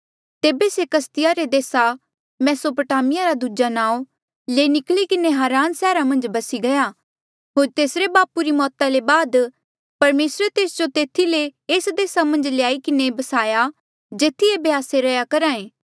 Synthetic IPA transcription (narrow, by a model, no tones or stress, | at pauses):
t̪eːbesekɐst̪ɪjaɾed̪eːsa | mɛːsopəʈaːmɪjaɾad̪uːd͡ʒanãːo | leːnɪklikɪneɦaːɾaːnsɛːɾamɐ̃nd͡ʒbɐsiɡɐja | ɦoːɾt̪eːsɾebaːpuɾimɔːt̪ãlebaːd̪ | pɐɾmeːsɾet̪eːsd͡ʒot̪eːt̪ʰːileːsd̪eːsamɐ̃nd͡ʒlɪjaːikɪnebɐsaːja | d͡ʒeːt̪ʰːiebeaːseɾɐjakɐɾaːẽː